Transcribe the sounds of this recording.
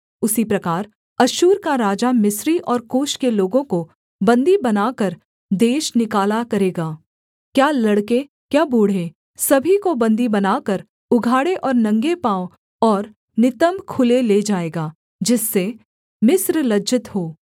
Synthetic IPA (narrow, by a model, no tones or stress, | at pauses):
ʊsipɾɐkaːɾ | ɐʃuːɾkaɾaːd͡ʒamɪsɾiʔɔːɾkoːʃkeloːɡõko | bɐ̃nd̪ibɐnaːkəɾ | d̪eːʃnɪkaːlakɐɾeːɡaː | kjaːlɐɽke | kjaːbuːɽ̤ẽ | sɐbʱikobɐ̃nd̪ibɐnaːkɐɾ | ʊɡʱaːɽeʔɔːɾnɐ̃ŋɡepaːo | ɔːɾ | nɪt̪əmkʰʊleleːd͡ʒaːeːɡaː | d͡ʒɪsːe | mɪsɾlɐd͡ʒɪt̪ɦoː